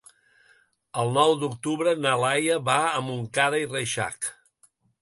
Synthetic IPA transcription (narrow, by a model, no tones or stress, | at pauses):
əlˠnɔwd̪ukt̪uβɾənəlajəβaəmuŋkaðəireʃa̰k